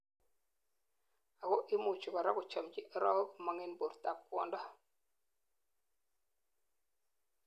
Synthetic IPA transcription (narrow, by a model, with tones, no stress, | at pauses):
a˨kɔ˦ʔɪ˦mu˨t͡ʃu˨kɔ˨ɾa˦kʊ˨t͡ʃɔ˨md͡ʒi˦ʔɾɔ˦ma˨ŋɛ˦nbo˨ɾta˨p̚kwɔ̰˦˨ndɔ˦